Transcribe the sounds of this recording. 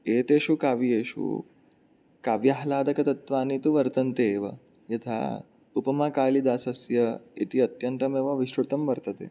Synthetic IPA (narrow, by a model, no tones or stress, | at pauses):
eːt̪eɕukaʋieɕṵ | kaʋjaɦlaːd̪ɐkɐt̪ɐt̪ʋaːnit̪uʋɐɾt̪ɐnt̪eːʋə̰ | jɐt̪ʰa̰ | upɐmakaːlid̪aːsɐsjəḭt̪iɐt̪jɐnt̪ɐmeʋaʋiɕɾut̪ɐmʋɐɾt̪ət̪ḛ